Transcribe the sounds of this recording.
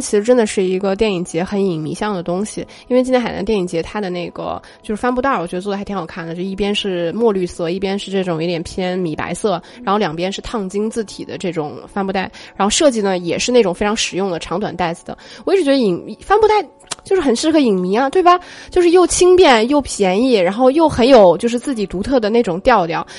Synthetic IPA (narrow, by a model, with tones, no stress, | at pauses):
t͡ɕʰi˧˥ʂɻ̩˧˥ʈ͡ʂə˥nd̪ə˨ʂɻ̩˥˩i˧˥ɡə˧t̪jɛ˥˩ni˨˩ŋt͡ɕjɛ˧˥xə˧˥ni˨˩ŋmḭ˧˥ɕjɑ˥˩ŋd̪ə˩t̪ʊ˥ŋɕi˨˩ | i˥nwe˥˧t͡ɕi˥jna̰˧˥t̪jɛ˥˩ni˨˩ŋt͡ɕjɛ˧˥t̪ʰa˥d̪ə˨ne˥˩ɪɡə̰˩ | t͡ɕjʊʂɻ̩˥˩fa˥npu˥˧t̪a˥˩wɔ˨˩t͡ɕɥɛ˧˥˧ɔ˥˧˩ə˩˧˥t̪ʰi˧˥ɑ˨˩kʰa˥˩ndə˩t͡ɕjo˥˧˩i˥˩p̬jɛ˥nʂɻ̩˥˩mwɔ˥˧ly˥˧sɤ˥˧i˥˩pjɛ˥nʂɻ̩˥˧ʈ͡ʂɤ˥˩ʈ͡ʂʊ˨˩ŋi˧˥t̪jɛ˨˩npʰjɛ˥nmi˨˩pa̰˧˥ɪsɤ˥˩ɻa˧˥nxo˥˩ʊljɑ˨˩ŋpjɛ˥nʂɻ̩˥˧t̪ʰɑ˥˧ŋt͡ɕi˥ŋt͡sɹ̩˥˩t̪ʰi˨˩d̪ə˦ʈ͡ʂɤ˥˩ʈ͡ʂʊ˨˩˦ŋfa˥npu˥˧t̪a˥˩ɪɻa˧˥nxo˥˧ʊʂɤ˥˧t͡ɕi˥˩nə˩jɛ˨˩ʂɻ̩˥˧ne˥˩ʈ͡ʂʊ˨˩ŋfe˥ɪʈ͡ʂʰɑ˧˥ŋʂɻ̩˨˩jʊ˥˩ŋd̪ə˩ʈ͡ʂʰɑ˧˥ŋt̪̬wa˨˩nt̪a˥˩ɪd͡zɹ̩˨˩d̪ə̰˩wɔ˨˩˥i˥ʈ͡ʂɻ̩˧t͡ɕɥɛ˧˥d̪i˨˩ŋi˧˥˩fa˥npu˥˧t̪a˥˩ɪ | t͡ɕjo˥˧ʊʂɻ̩˥˩xə˨˩nʂɻ̩˥˧kʰɤ˥˩i˨˩ŋmi˧˥ɐ˧t̪we˥˩ɪbɐ˩t͡ɕjo˥˧ʊʂɻ̩˥˧jo˥˩ʊt͡ɕʰi˥ŋpjɛ˥˩njo˥˩ʊpʰjɛ˧˥ni˥˩ɻa˧˥nxo˥˧ʊjo˥˩ʊxə˧˥njo˨˩ʊt͡ɕjo˥˧ʊʂɻ̩˥˧t͡sɹ̩˥˩t͡ɕi˨˩t̪u˧˥t̪ʰɤ˥˩d̪ə˩ne˥˩ɪʈ͡ʂʊ˨˩ŋt̪jɑ˥˧ʊljɑ˥˩ʊ